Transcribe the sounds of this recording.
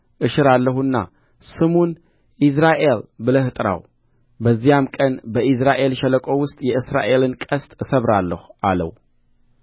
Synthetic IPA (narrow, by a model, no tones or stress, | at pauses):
ʔɨʃɨɾalːəɦunːa̰ | sɨmun | ʔis̬ɾaʔe̞lbɨləhɨt̪ʼɾa̰w | bəzːijamkʼənbəʔis̬ɾaʔe̞lʃɛləkʼo̞wʊst̪ʼjɛʔɨsɾa̰ʔe̞lɨnkʼəst̪ʼɨsəβɾalːəhuʔalə̰w